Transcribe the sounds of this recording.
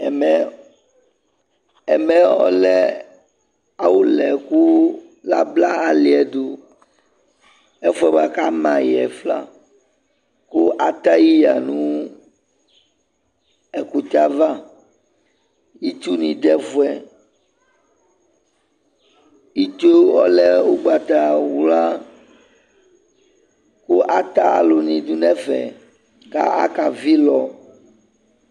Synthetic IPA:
mɛ˨ | ɛ˨mɛ˨ɔ̰˦lɛ˦ | a˦wu˦lɛ˨ku˦ | la˦bla˦a˨li˨ɛ˨d̪o˨ | ɛ˦fu˦ɛ˦ba˨ka˦mã˨jɛ˨fla̰˦ | ku˦ʔa˨t̪a˦ji˦ja˨nũ˦ | ɛ˨ku˨t̪a˦va˦ | ji˦t͡ʃu˦nĩ˨d̪ɛ˦vu˨ɛ˨ | i˦t͡ʃo˦wɔ̰˦lɛ˦o˨ɡ͡ba˨t̪a˨wu˨la˦ | ku˦ʔa˦t̪a˦a̰˨lo˨nĩ˨d̪u˦nɛ̃˦fɛ̰˨ | ka̰˦a̰˦ka˨vi˦lɔ˨

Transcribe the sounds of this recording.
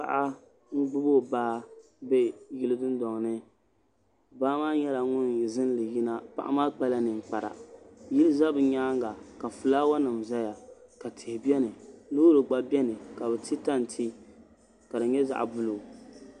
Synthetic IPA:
pa̰˨ʔa˦ | ŋ̩˦ɡ͡bʊ˦bo˦˨baː˦ | bɛ˦ji˦lɨ˦dɨ˦ndɔ˨ŋ˨nɨ˦ | baː˦maː˦ɲɛ˦la˨ŋʊ˦nzɨ˦n˦lɨ˨ji˦na˦pa̰˦˨ʔa̰˦maː˦k͡pa˦la˦nɨ˨ŋ͡m̩˨k͡pa˨ɾa̰˨ji˦lɨ˦za˦bɨ˨ɲaː˦ŋɡa˨ka˨fɨ˨laː˦wa˦nɨ˨m˨za˦ja˨ka˨tʰɪ˨hɪ˨bi˦ɛ˦nɨ˨lo˦ɾɨ˨ɡ͡ba˦bɛ˦nɨ˨ka˨bɛ˨tʰi˦ta˦n˨tʰi˦ | ka˨dɨ˨ɲɛ˦za̰˨ʔa̰˨bʊ˦lo˨

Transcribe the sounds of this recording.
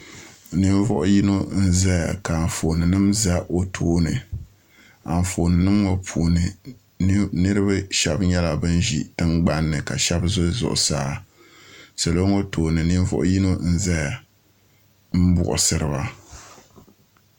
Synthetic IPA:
nɨ˦ɱ˦vɔ̰˦ʔʊ˦ji˦no˦n̩˦za˦ja̰˨ka˨n̩˨fo˨nɨ˨nɨ˦mza˦ʔo˦tʰoː˦nɨ̰˨ | a˨n˨fo˨nɨ˨nɨ˦mŋo˦pʰuː˨nɨ˨˦ | nɨ˦ɾɨ˦ba˦ʃɛ˨bɲɛ˦la˨bɨ˦nʒḭ˨d̥ɨ˦mɡ͡ba˦nːɨ˨ka˨ʃɛ˦bzʊ˦zʊ̰˨ʔʊ̰˨saː˦ | sa˨lo˦ŋo˦tʰoː˨nɨ˨nɨ˦n˦vɔ̰˦ʔʊ˦ji˦no˦n̩˦za˦ja˨ | m̩˦bʊ̰˨ʔʊ̰˨sɨ˨ɾɨ˨ba˦

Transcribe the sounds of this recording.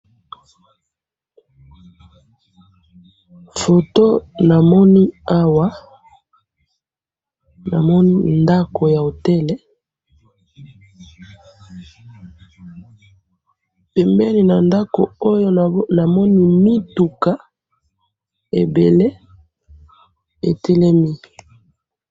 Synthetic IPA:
fo˨to˦na˨mɔ˦ni˦a˦wa˦ | na̰˨mɔ˦ni˦nda˦ko˨ja˨o˨tɛ˦lɛ˦ | pɛ˨mbɛ˦li˨na˨nda˦ko˨o˦jo˦na˨mɔ˦ni˦mi˦tu˨ka˦ | ḛ˨be˨le˦ | ḛ˨tɛ˦lɛ˦mi˦

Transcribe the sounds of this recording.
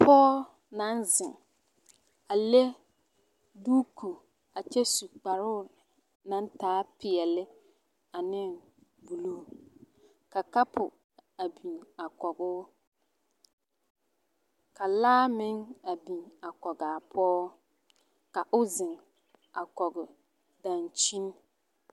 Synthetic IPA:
pʰɔː˦ | na˨˦nzɪ˨ŋ | a˨le˦ | duː˦kʰu˨ | a˨t͡ʃɛ˦su˨k͡pa˨ɾʊ˦˨ | nã˨˦n˦taː˨˦pɪ˨ɛ˨lɪ˦ | a˨nɪ˦˨ŋ | bu˨luː˦ | ka˨ka˦pʰʊ˨ | a˨bi˨na˨kɔ˨ɡʊː˦ | ka˨laː˦mɪ˦ŋa˨bi˨na˨kɔ˨ɡaː˨pʰɔː˦ | ka˨ʔʊ˦zɪ˨ŋ | a˨kɔ˨ɡʊ˨ | da˨nt͡ʃi˦n˦

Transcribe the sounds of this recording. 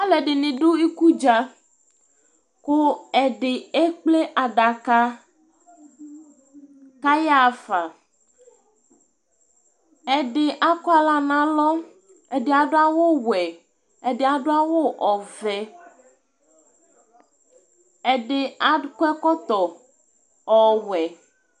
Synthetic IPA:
a˦lɛ˨ɖɪ˨nĩ˨ɖo˦i˦ku˦d͡ʒa˨ | ko˦ɛ˨ɖɪ˨e˦k͡ple˦ʔa˨ɖa˨ka˦ | ka˦ja˦˨fa˨ | ɛ˨ɖe˨ʔa˦kɔ˦a˦la˦nã˨lɔ˦ | e˨ɖe˨a˨ɖo˦a˦wo˦wɛ˨ | e˨ɖe˨a˨ɖo˦a˦wo˦ʔɔ˨vɛ˦ | ɛ˨ɖe˨a˨˦kɛ˦kɔ˦t̪ɔ˨ | ɔ˨wɛ˨

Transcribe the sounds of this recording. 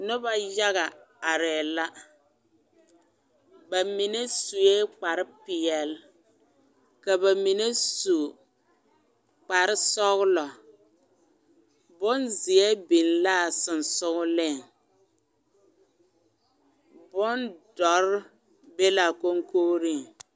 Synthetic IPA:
nʊ˦ba˦ja˦ɣa˨ | a˨ɾɛː˨la˦ | ba˨mi˨ne˦su˨je˦k͡pa˨ɾɪ˦pɪ˨ɛ˨l | ka˨ba˨mi˨ne˦su˨ | k͡pa˨ɾɪ˦sɔ˦ɣʊ˦lɔ˨ | bʊ˦nzɪ˨ɛ˦bi˨nlaː˦˨sɨ˨n˨sʊ˦ɣʊ˦lɪ˦˨ŋ | bʊ˦ndɔ˨ɾ | be˦la˨ko˦ŋkoː˦ɾi˦˨ŋ

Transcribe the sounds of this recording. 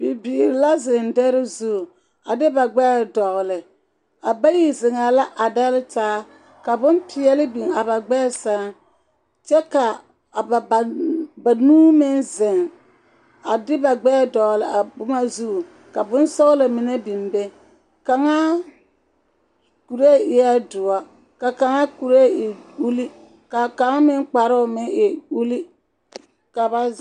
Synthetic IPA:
bi˨biː˨ɾɪ˨la˦zɪ˨ndɛ˦ɾɪ˦zu˦˨ | a˨dɪ˦ba˨ɡ͡bɛː˦˨dɔ˨ɣlɪ˨ | a˨ba˦ji˨zɪ˨ŋa˨la˦ʔa˨da˦lɪ˦taː˦ | ka˨bʊ˦mpʰɪ˨ɛ˦lɪ˦bi˨ŋa˨ba˨ɡ͡bɛː˦sa˦ŋ˦ | t͡ʃɛ˦ka˨ | ba˨nuː˦mɪ˦nzɪ˨ŋ | a˨dɪ˦ba˨ɡ͡bɛ˦˨dɔ˨lɪ˨a˨bʊ˦ma˦zu˦˨ | ka˨bʊ˦n˦sɔ˦la˨mɪ˨ne˦bi˨mbe˦ | ka˨ŋa˦ | ku˨ɾe˦˨ɪ˨˦a˦dʊ˨a˦ | ka˨ka˨ŋa˦ku˨ɾe˦˨ɪ˨u˦li˦ | ka˨ka˨ŋa˦mɪ˦ŋk͡pa˨ɾʊ˦ʊ˨mɪ˦ŋɪ˨u˦li˦ | ka˨ba˨

